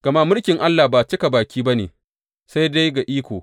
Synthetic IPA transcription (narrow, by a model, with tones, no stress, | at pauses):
ɡ̥ɐ˨ma˦mʊ˦lkʲɪ˨ŋʔa˦lːaː˨baː˨t͡ʃɪ˦ka˨baː˨kʲiː˦ba˦nḛː˨ | sa˦jda˦jɡa˨ʔiː˦kʷoː˨